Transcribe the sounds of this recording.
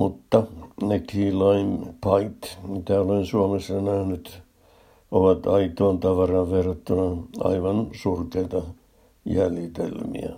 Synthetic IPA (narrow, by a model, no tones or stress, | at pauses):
mut̪ːɑnekiːlɑimpɑit̪mit̪æːoloinsuomesːɑnæhnyt̪ | oʋɑt̪ɑit̪oːnt̪ɑʋɑrɑʋʋerːɑt̪ːunɑɑ̰iʋɑnsurkeit̪ɑ | jæljit̪ḛlmḭæ̰